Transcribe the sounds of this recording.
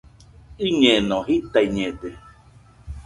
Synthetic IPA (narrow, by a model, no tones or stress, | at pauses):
ɨɲenɔ̃ɦit̪aiɲẽde